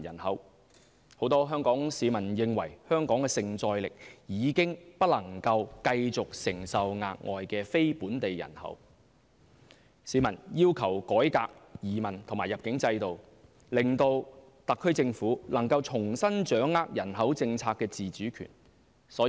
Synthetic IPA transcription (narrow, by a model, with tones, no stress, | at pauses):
jɐ̰˨˩nhɐ˨˥w | ho˨˥wt̪ɔː˥ɦœː˥ŋkɔː˨˥ŋsiː˨˧mɐ˨˩njɪ˨˧ŋwɐ˨˩jhœː˥ŋkɔː˨˥ŋkɛː˧sɪ˨ŋt͡sɔː˧jlɪ˨k̚jiː˨˧kɪ˥ŋpɐ˥t̚lɐ˨˩ŋkɐ˧wkɐ˧jt͡sʊ˨k̚sɪ˨˩ŋsɐ˨wŋa̰ː˧k̚ŋʔɔ̰ː˨jkɛː˧fe˥jpuː˨˥nt̪e˨jjɐ̰˨˩nhɐ̰˨˥w | siː˨˥mɐ˨˩njiː˥wkʰɐ˨˩wkɔː˨˥jka̰ː˧k̚jiː˨˩mɐ˨˩nt̪ʰʊ˨˩maː˨˩jɐ˨p̚kɪ˨˥ŋt͡sɐ˧jt̪o˨w | lɪ˨ŋt̪o˧w | t̪ɐ˨kʰːɵ˥ɥt͡sɪ˧ŋfuː˨˥lɐ˨˩ŋkɐ˧wt͡ʃʰʊ˨˩ŋsɐ˥nt͡ʃœː˨˥ŋːaː˧k̚jɐ˨˩nɦɐ˨˥wt͡sɪ˧ŋt͡sʰaː˧kːɛː˧t͡siː˨˩t͡syː˨˥kʰy̰ː˨˩n | sɔː˨˥